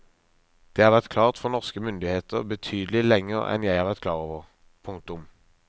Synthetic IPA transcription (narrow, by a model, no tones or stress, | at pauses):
d̪̥eːhɑːʁʋæʁt̪kʰlɑːʁt̪fɔʁnɔʁskəmʏnd̪ɪheːt̪əʁbət̪ʰyːd̪əl̩ɪlɛŋːəʁɛ̰njæɪhɑːʁʋæʁt̪̚kʰlɑːʁoːʋəʁ | pʰʊŋk̚t̪ʊm